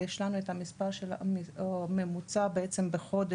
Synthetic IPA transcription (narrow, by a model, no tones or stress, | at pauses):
jeʃlanuethamispaʁʃela | me̞mut͡sabeet͡sembeχo̞d̪e